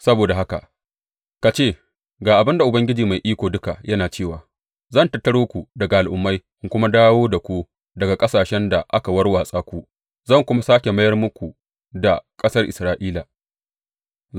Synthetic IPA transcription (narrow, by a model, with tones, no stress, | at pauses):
sɐ˦boː˨da˨ɦa˦ka̰˨ | ka˨t͡ʃeː˦˨ | ɡaː˨ʔa˨bɪ˦nda˨ʔʊ˨bɐ˦ŋɡʲɪ˦d͡ʒiː˨ma˨jʔiː˦kʷoː˨dʊ˦ka˨jɐ˦naː˨t͡ʃeː˦˨waː˨ | zɐ˦˨ntɐ˨tːɐ˦ɽoː˦kʷu˨dɐ˨ɡa˨ʔa˨lʔʊ˨mːa˦jʔɪ˦ŋkʷʊ˦ma˦daː˦woː˦da˨kʷu˦ | dɐ˨ɡa˨kʼɐ˦saː˨ʃɛ˦nda˨ʔa˦ka˨wɐ˦rwaː˨sʼaː˦kʷu˦ | zɐ˦˨ŋkʷʊ˦ma˦saː˦kʲe˨mɐ˦jɐ˦rmʊ˦kʷu˨ | da˨kʼɐ˦sɐ˦rʔɪ˨sɾaː˦ʔiː˦la˨